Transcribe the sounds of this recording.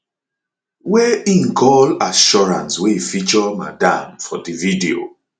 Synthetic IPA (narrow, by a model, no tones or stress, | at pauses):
wɛĩnɡʰɔlaʃɔɹã̰nsweifit͡ʃɔma̰dã̰mfɔdividio̰